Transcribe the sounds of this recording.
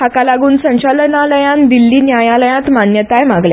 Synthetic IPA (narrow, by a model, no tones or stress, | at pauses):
hakalaɡuːnsə̃ɕalənaləjãnd̪ilːiːnjajaləjãt̪manjət̪ajmãɡlja̰